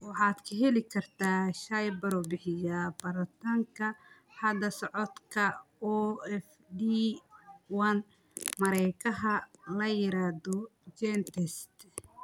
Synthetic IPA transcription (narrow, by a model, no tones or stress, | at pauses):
wɑħɑːd̪kʰɐɦɛlɪkʰɐrt̪ʰaːʃɐjbɐɾɔbɪħɪjabɐɾɐt̪ʰaŋkʰɐ | ħɑd̪ɐsɔʕɔd̪kʰɐɔɛf | d̪i | wɐn | mɐɾɛjkʰɐɦɐlɐjɪɾaːd̪ɔd͡ʒɛnt̪ʰɛst̪